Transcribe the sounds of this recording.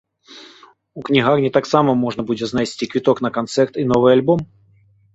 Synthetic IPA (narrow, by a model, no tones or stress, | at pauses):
uknʲɪɣarnʲɪt̪aksaməmo̞ʐnəbudʲɪznasʲtʲikvʲɪt̪oknəkɐnt̪sɛrt̪ino̞vɨjɐlʲbom